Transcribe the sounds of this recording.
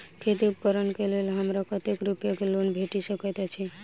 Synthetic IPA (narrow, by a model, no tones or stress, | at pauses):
kʰet̪iupkəɾənkelelɦəmɾakət̪ekɾupjakelonbʱeʈisəkɔt̪at͡ʃʰi